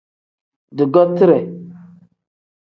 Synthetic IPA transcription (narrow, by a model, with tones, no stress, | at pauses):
di˨ɡo˦b̚ti˦ɾe˨